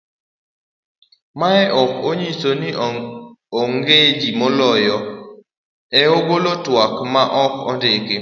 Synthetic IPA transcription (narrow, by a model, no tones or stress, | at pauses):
maɛʔɔkoɲisoni | ɔŋɡed͡ʒimɔlɔjɔ | ɛobolotwakmaʔɔkɔ̰ndɪkɪ